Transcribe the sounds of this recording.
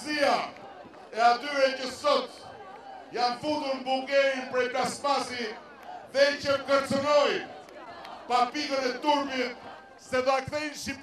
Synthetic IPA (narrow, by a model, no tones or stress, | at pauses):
zia | ɛat̪yɾɛcəsɔt̪ | janfund̪uɾmbulˠɡɛɾinpɾɛjpɾaspasi | ðɛcəmkəɾt͡sənɔj | papiɡənɛt̪uɾmit̪̚ | sɛd̪ɔakθɛnʃi